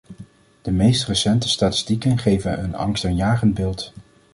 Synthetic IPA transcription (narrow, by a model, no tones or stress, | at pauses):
d̥əmejstrəsɛntə̥staːtɪ̥stikənχejvənɦɵnɑ̰ŋstanjaːχənd̚bɪːlˠt